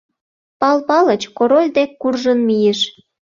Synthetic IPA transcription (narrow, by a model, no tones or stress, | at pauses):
pɑlpɑlət͡ɕkoɾolʲd̪ekːurʒənmijeʃ